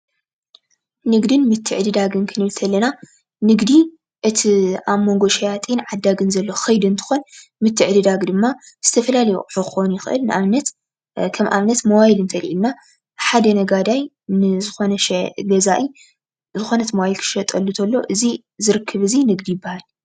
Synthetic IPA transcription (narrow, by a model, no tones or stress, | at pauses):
nɨɡd̪ɨnmɨt̪ʰːɨʕd̪ɨd̪aɡɨnkʰɨnɨβlt̪ʰɐlːɐna | nɨɡd̪i | ʔɨt̪ʰiaβmo̞ŋɡo̞ʃɐjat̪ʼinʕad̪ːaɡɨnzɐlːo̞xɐjd̪ɨnt̪ʰɨ̥xo̞n | mɨt̪ʰːɨʕd̪ɨd̪aɡd̪ɨmːa | z̥ɨt̪ʰɐfɐlalɐjṵʔʼħɨxonjɪxʔɨ̰lnɨʔaβnɐt̪ | kʰɐmʔa̰βnɐt̪mɐwajilɨnt̪ʰɐlʔilna | ħad̪ɐnɐɡad̪aj | nɨzɨxo̞nɐʃɛɡɐzaʔi | zɨxo̞nɐt̪mɐwajilkʰɨ̥ʃɐt̪ʼɐlːɨt̪ʰɐlːo̞ʔɨzi | zɨɾɨkʰːɨβɨzinɨɡd̪ijɪbːahal